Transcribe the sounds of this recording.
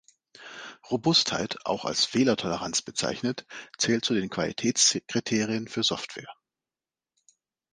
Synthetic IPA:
ʁobʊstha̰ɪtʰʔa̰ʊxa̰lsfeːlɐtʰɔləʁant͡sb̥ət͡sa̰ɪçnətt͡sɛːlt̚t͡sudeːnkv̥alḭtʰɛːt͡skʁ̥itʰeːʁiənfyːɐzɔftv̥ɛ̰ːɐ

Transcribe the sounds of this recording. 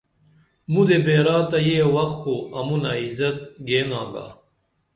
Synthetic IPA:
mud̪ebeːɾaːt̪ɐjewɐxkoɐmunaizɐt̪ɡeːnaːɡa̰ː

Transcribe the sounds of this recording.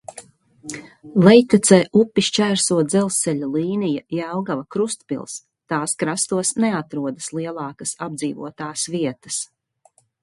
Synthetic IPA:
lɛjt̪at̪sɛːʔupːiʃt͡ʃæːɾsuɔd̪zɛlˠsɛʎʲulˠiːnijajawɡavɐkɾust̪pḭlˠs | t̪aːskɾast̪uɔsnɛat̪ɾuɔd̪ɐslˠiɛlˠɑːkəsab̚d̪ziːvṵɔt̪aːsviɛt̪ə̥s

